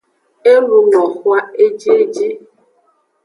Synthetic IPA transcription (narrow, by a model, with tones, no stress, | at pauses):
e˦lu˨ŋɔ˨xwa˦e˦d͡ʒi˦e˦d͡ʒi˦